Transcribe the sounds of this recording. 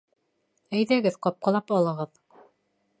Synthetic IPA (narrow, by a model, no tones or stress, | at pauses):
æjðæɡɘðqɑp̚qɑ̆lˠɑpɑlˠɤ̆ʁɤð